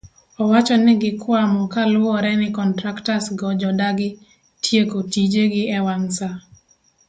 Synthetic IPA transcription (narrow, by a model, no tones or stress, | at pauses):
ɔwat͡ʃɔnɪɡɪkwamɔkalwɔɾɛnɪkɔntɾaktasɡɔd͡ʒɔdaɡɪ | tʰjekotid͡ʒeɡɪɛwansa